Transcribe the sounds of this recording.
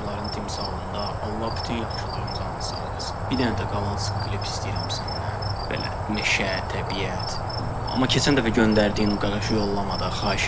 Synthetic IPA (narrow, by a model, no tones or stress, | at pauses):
lˠɑɾɯnt̪ʰimsɑlˠɯnd̪ɑ | ɑlˠːɑbʰy̥t̪ʰynjɑt̪ʃʰulˠuɾumsɑlˠnsɑːɡ̪es | b̥iɾd̪ænæd̪æɡɑlˠɑsɯ̥ɡlipʰi̥st̪ijæɾæmsæn | æb̥ḛlæ̰ | næʃæt̪ʰːæbijæt̪ʰ | ɑ̰mːɑcʰet͡ʃʰænd̪æfæɟønd̪æɾd̪iːnɡɑɾɑʃɯjo̞lˠːɑmɑd̪ɑxɑːiʃ